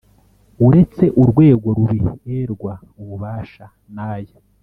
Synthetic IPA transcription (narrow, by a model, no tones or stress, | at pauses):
uɾe̞t͡se̞ʔuɾɡwe̞ːɡo̞ɾuβieːɾɡwa | uβuβaːʃa | naːje